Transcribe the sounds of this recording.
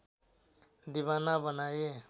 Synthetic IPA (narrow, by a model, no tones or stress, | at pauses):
d̪ibanabənaje